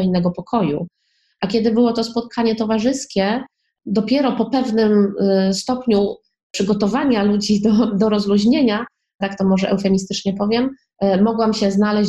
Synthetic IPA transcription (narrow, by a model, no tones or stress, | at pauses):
inːɛɡɔpɔkʰɔjṵ | ʔakʲɛd̪ɘbɘwɔt̪ɔspɔt̪̚kʰaɲɛt̪ɔvaʐɘskʲɛ | d̪ɔpʲjɛɾɔpɔpɛvnɘmst̪ɔpɲu | pʂɘɡɔt̪ɔvaɲalud͡ʑid̪ɔd̪ɔɾɔzluʑɲeɲa | t̪akt̪ɔmɔʐɛʔɛ̰wfɛɲist̪ɘt͡ʂɲɛpɔvʲjɛmː | ɔɡwamɕɛznalɛ